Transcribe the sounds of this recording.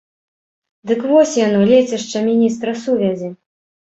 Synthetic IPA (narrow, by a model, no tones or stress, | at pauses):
d̪ɨkvɔsʲjanɔlʲet͡sʲɛʂt͡ʂɐmʲinʲist̪ɾɐsuvʲɛzʲi